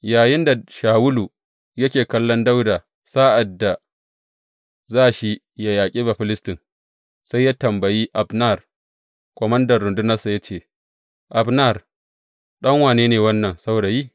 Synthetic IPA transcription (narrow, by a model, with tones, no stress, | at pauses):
jaː˨jɪ˦nda˨ʃaː˨wʊ˦lu˨ | jɐ˦kʲeː˨kɐ˦lːɔ˦nda˦wdaː˨ | sa˦ʔa˨dːa˨ | zaː˦ʃi˦ | ja˦jaː˨kʲʼiː˦ba˨ɸɪ˦lɪ˦stɪ˨ŋ | sa˦jːaː˦tɐ˨mbɐ˨jiː˦ʔa˨bna˦˨r | kʷɔ˨mɐ˦ndɐ˨rːʊ˨ndʊ˦nɐ˦rsa˨ja˦t͡ʃeː˦˨ | ʔa˨bna˦˨r | ɗɐ˦ŋwaː˨neː˦neː˨wɐ˦nːɐ˨nsa˦wda˨jiː˦